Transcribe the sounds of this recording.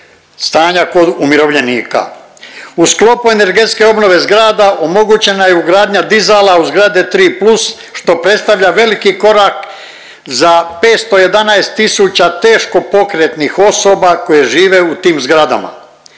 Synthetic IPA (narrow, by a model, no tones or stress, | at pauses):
st̪aːɲako̞d̪umjiɾo̞ʋʎe̞niːka̰ | usklo̞puene̞ɾɡe̞t̪ske̞o̞bno̞ʋe̞zɡɾaːd̪aʔo̞mo̞ɡut͡ɕe̞najeuɡɾaːd̪ɲad̪izalauzɡɾad̪et̪ɾiːplus | ʃt̪o̞pɾe̞t̪st̪aʋʎaʋe̞likiko̞ɾak | zape̞ːt̪st̪o̞je̞d̪anaest̪isuːt͡ɕat̪e̞ːʃko̞po̞kɾe̞t̪nixo̞so̞bako̞je̞ʒiːʋe̞ut̪iːmzɡɾad̪a̰ma̰